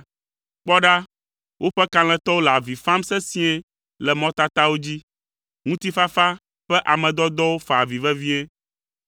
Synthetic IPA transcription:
k͡pɔ˦ɖa˦ | wʔo˦ɸɛ˦kã˨l̃ɛ̃˨t̪ɔ˦wo˦lɛ˨a˨vi˨fã˦msɛ˦sĩ˦ɛ˦ | lɛ˨mɔ̃˦t̪a˦t̪a˦wo˦d͡ʑi˦ | ŋũ˦t̪i˦fa˦fa˦ | ɸɛ˦ʔa˨mɛ̃˨d̪ɔ˦d̪ɔ˦wo˦fa˨vi˨vɛ˦vi˦ɛ˦

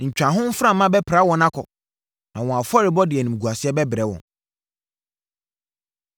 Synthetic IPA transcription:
ɲ̩˨t͡ɕᶣã˨ɦʊ̃˦m̩˦fɾã˦mːã˦bɛ˦pʰɾa˦wɔ̃˨nã˦kʰɔ̰˨ | nã˨wɔ̃˨a˨fɔ˦ɾɪ˨bɔ˦dɪ˨ɛ˨nũ˨m˨ɡu˨a˨sɪ˦ɛ˦bɛ˦bɪ˨ɾɛ˦wɔ̰̃˨n

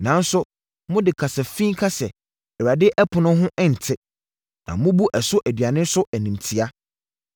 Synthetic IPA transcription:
nã˨˦n̩˦sʊ˦ | mʊ̃˦dɪ˨kʰa˨sɛ˨fĩ˦kʰa˦sɛ˨ | ɛ˨ɾa˨dɪ˦ʔɛ˦pʰʊ˨nʊ̃˦ɦʊ̃˦ʔɛ˦n̩˨tʰɪ˦ | nã̰˨mʊ̃˦bu˦ʔɛ˨sʊ˦ʔæ˨dɥa˨nɪ̃˦n˦sʊ˦ʔæ˨nĩ˨m˨tʰi˦a˦

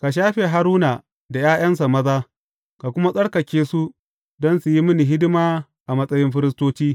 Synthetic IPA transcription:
ka˨ʃ̬aː˦ɸe˨ɦa˦ɾuː˦na˨ | da˨jaː˦j̰ɐ˦ns̬a˨mɐ˦zaː˦ | ka˨kʷʊ˦ma˦sʼɐ˦ɽkɐ˨kʲeː˦su˦ | dɔ˦nsu˨ji˦mɪ˦ni˨ɦɪ˦dɪ˦maː˦ | ʔa˨mɐ˦sʼɐ˦jɪ˦mɸɪ˦ɾɪ˦stoː˦t͡ʃiː˦

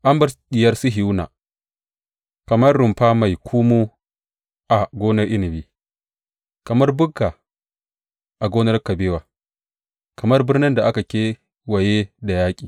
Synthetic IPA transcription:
ʔa˦mbɐ˦ɾɗɪ˨jɐ˦rsi˦ɦi˨wna̰ː˨ | kɐ˨mɐ˦rːʊ˨mɸa˦ma˨jkʷʰu˦mu˦ | ʔa˨ɡʷoː˦nɐ˦rʔɪ˦nɪ˨biː˦ | kɐ˨mɐ˦rbʊ˦ɡːa˨ | ʔa˨ɡoː˦nɐ˦rkɐ˨beː˦waː˨ | kɐ˨mɐ˦rbɪ˦rnɪ˦nda˨ʔa˦ka˨kʲeː˦ | wɐ˨je˦da˨jaː˦kʲʼiː˨

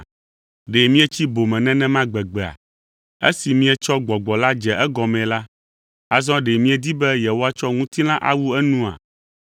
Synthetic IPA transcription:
ɖe˨mĩ˦ɛ˦t͡ɕi˦bo˨mɛ̃˨nɛ̃˦nɛ̃˦mã˦ɡ͡bɛ˨ɡ͡bɛ˨a̰˨ | ḛ˦si˨mĩ˦ɛ˦t͡ʃɔ˦ɡ͡bɔ˨ɡ͡bɔ˨la˦d͡ʒɛ˨ʔɛ˦ɡɔ˨mɛ̃˨la˦ | a˦zɔ̃˦ɖe˨mĩ˦ɛ˨d̪i˦bɛ˦jɛ˨wo˦a˦t͡ʃɔ˦ŋũ˦t̪i˦lã˦ʔa̰˦wu˦ɛ˦nũ˦a̰˨

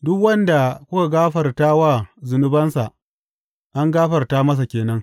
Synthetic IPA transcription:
dʊ˦kwɐ˦nda˨kʷʊ˦ka˨ɡaː˦ɸɐ˨rtaː˦waː˦zʊ˨nʊ˦bɐ˦nsa˨ʔ | ʔa˦ŋɡaː˦ɸɐ˨rta˦mɐ˦s̬a˨kʲeː˨nɐ˦ŋ

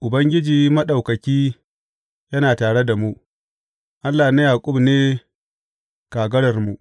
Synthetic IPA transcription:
ʔʊ˨bɐ˦ŋɡʲɪ˦d͡ʒiː˨mɐ˦ɗɐ˨wkɐ˨kʲiː˦ | jɐ˦naː˨taː˨ɽe˦da˨mu˦ | ʔa˦lːaː˨na˦jaː˨kʷʼʊ˦bneː˦ | kaː˨ɡɐ˦ɽɐ˨rmu˨ʔ

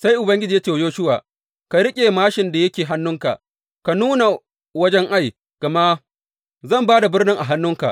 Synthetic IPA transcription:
sa˦jʔʊ˨bɐ˦ŋɡʲɪ˦d͡ʒiː˨ja˦t͡ʃe˨joː˦ʃʊ˦wa̰ː˨ | ka˨ɾɪ˦kʲʼeː˨maː˦ʃɪ˨nda˨jɐ˦kʲeː˨ɦa˦nːʊ˦ŋka̰˨ʔ | ka˨nuː˦na˨ | wɐ˦d͡ʒɛ˦ŋʔa˦˨j | ka˨ma˦ | zɐ˦˨mbaː˦da˨bɪ˦rnɪ˦ŋʔa˨ɦa˦nːʊ˦ŋka̰˨ʔ

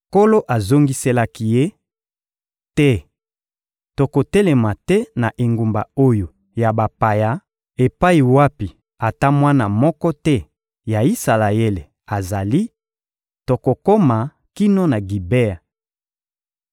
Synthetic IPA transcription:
ko˦lo˦ʔa˨zo˦ŋɡi˦se˦la˦ki˨je˦ | tɛ˦ | to˨ko˨tɛ˦lɛ˨ma˨tɛ˦na˨ʔe˨ŋɡu˨mba̰˨o˦jo˨ | ja˨ba˨pa˨ja˦ | e˨pa˦i˨wa˦pi˨ | a˨ta˦mwa˦na˨mɔ˦kɔ˦tɛ˦ | ja˨i˦sa˨la˨e˦le˨ | a˨za˨li˦ | to˨ko˨ko˦ma˨ | ki˦no˦na˨ɡi˨be˦a˨

